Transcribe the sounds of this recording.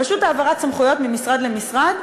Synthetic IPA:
aʃut̪aːvaʁatt͡samχujo̞t̪mimisʁad̪lemisʁad̪

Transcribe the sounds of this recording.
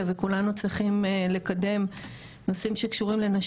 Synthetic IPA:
vekulanut͡sʁiχimle̞kade̞m | no̞simʃe̞kʃuʁimle̞naʃ

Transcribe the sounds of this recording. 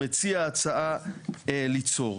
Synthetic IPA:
et͡siaːt͡saaelit͡so̞

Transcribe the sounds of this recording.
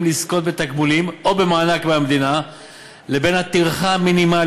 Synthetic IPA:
mlisko̞t̪̚be̞t̪aɡmulimo̞be̞maːnakmeamed̪ina | le̞be̞nhat̪iʁχaminima

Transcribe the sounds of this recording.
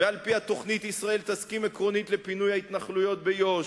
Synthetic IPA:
vealpihat̪o̞χnit̪isʁae̞lt̪askimekʁo̞nit̪le̞pinujait̪naχlujot̪̚bejo̞ʃ

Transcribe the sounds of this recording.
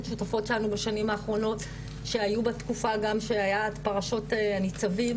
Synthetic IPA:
ʃutafo̞tʃelanubaʃanimaːχʁo̞no̞t | ʃeajubatkufaɡamʃeajaːtpaʁaʃo̞teanit͡savim

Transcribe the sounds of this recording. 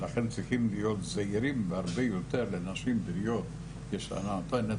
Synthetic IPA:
laχent͡sʁiχimlijot̪zaiɾimveaʁbejot̪eʁlenaʃimbɾijot̪ | keʃea̰naat̪ane

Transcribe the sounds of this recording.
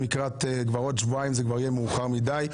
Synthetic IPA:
mikʁat̪ɡvaʁot̪ʃvuaimzɛɡvaʁjɛmuːχaʁmid̪aj

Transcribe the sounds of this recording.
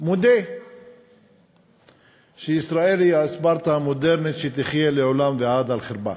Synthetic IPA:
mod̪e | ʃeisɾaelijaesbaɾt̪aamod̪eɾnit̪ʃet̪iχjeleʕolamveʕad̪alχeɾba̰

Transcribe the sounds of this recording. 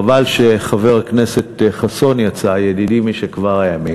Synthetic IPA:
valʃe̞χave̞ʁaknese̞tχaso̞njat͡sajedidimiʃekvaʁajami

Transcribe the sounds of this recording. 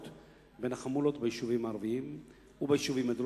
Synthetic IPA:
t̪ | be̞naχamulo̞t̪bejiʃuvimaːʁviim | ubajiʃuvimad̪ɾ

